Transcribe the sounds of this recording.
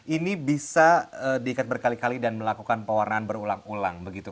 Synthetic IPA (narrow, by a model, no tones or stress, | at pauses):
ʔinibisaədiːkat̪̚bərkalikalidanməlakukanpəwarnaːnbəɾulaŋula̰ŋbəɡit̪u